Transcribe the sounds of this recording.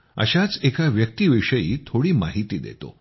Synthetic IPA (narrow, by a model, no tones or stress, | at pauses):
ə̰ɕat͡sekaʋjək̚t̪iːʋiʂəjiːt̪ʰoɽiːmaɦit̪iːd̪ḛt̪o̰